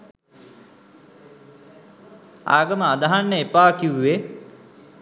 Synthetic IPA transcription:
a̰ːɡɐməad̪aɦanːəepaːkiuwːe

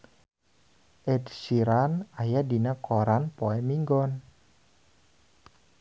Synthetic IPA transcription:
ʔɛdsiɾanajadinakɔɾanpɔɛmiŋɡɔn

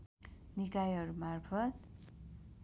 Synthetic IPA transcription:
nikajɦʌɾumarpʰʌt̪̚

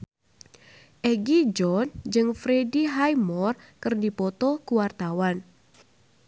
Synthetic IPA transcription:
ʔɛɡid͡ʒɔnd͡ʒɨŋfɾediɦajmɔr | kɨrdipɔt̪ɔkuwart̪awan

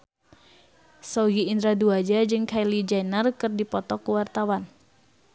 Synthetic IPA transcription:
sɔɡiːnd̪ɾaduad͡ʒad͡ʒɨŋkʰajlid͡ʒajnarkɨrdipɔt̪ɔkuwart̪awan

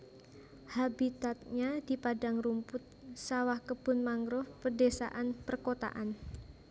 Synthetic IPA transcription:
habit̪at̪̚ɲad̥i̤padaŋrumpʊt̪̚sawahkəb̥ʊ̤nmaŋɾʊhpərdesa̰ʔanpərkot̪a̰ʔan

